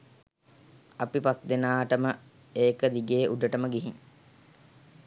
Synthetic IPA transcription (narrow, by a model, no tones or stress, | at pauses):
apipasd̪enaːʈəmə | eːkəd̪iɡeːʔuɖəʈəməɡiɦiŋ